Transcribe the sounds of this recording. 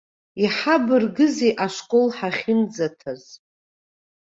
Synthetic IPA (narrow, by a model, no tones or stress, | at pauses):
iħabɨrɡɨzeʔaʂkʼolħaχʲɪnd͡zatʰaz